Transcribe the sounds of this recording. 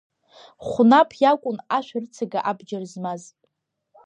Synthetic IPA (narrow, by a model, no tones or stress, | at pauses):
χʷʊnapʰjakʷʼʊnaʃʷᶣart͡sʰaɡaʔabd͡ʒarzmaz